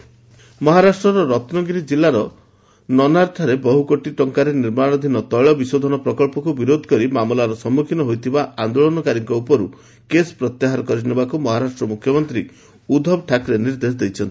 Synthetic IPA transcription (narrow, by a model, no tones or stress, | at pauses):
mɔɦaɾasʈɾɔɾɔɾɔt̪nɔɡiɾid͡ʒilːaɾɔ | nɔnaɾt̪ʰaɾebɔɦukoʈiʈɔŋkaɾeniɾmaɽ̃ɔd̪ʱinɔt̪ɔjɭɔbisod̪ʱɔnɔpɾɔkɔɭpɔkubiɾod̪ʱɔ̥kɔɾimamɔlaɾɔsɔmːukʰinɔɦojt̪ʰibaʔand̪olɔnɔkaɾikɔupɔɾu | kesɔ̥pɾɔt̪jaɦaɾɔkɔɾinebakumɔɦaɾasʈɾɔmukʰjɔmɔnt̪ɾi | ud̪ʱɔbʈʰakɾeniɾd̪es̬d̪ejt͡ʃʰɔnt̪i